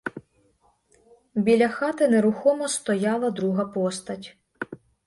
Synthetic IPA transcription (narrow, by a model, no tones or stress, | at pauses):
wbʲilʲɐxɑt̪ɪneɾʊxɔmɔst̪ɔjɑlˠɐd̪ɾuɦɐpɔst̪ɐtʲ